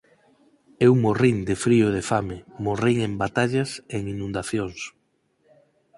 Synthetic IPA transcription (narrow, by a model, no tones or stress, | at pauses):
ewmoriŋd̪efɾiʊð̞efamɪmoriŋembat̪aʎaseŋinũnd̪aθjoŋs